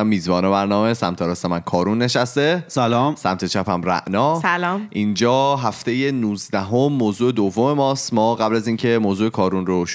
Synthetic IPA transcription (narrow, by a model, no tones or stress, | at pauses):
æmːiːzbɒːnebæɾnɒːmesæmt̪ʰeɾɒːsemænkʰɒːɾunːe̞ʃæst̪e̞sælɒːmsæmt̪ʰe̞t͡ʃʰæpʰæmɾæ̰ʔnɒːsælɒːʔind͡ʒɒːɦæft̪e̞je̞nuːzd̪æɦo̞mːoːzuːed̪ovːo̞me̞mɒːst̪mɒːɣæblæziːncʰe̞moːzuːe̞kʰɒːɾunroʃ